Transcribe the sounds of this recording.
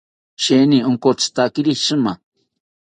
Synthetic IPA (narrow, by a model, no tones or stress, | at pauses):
ʃenioŋkot͡st̪akiɾiʃɨma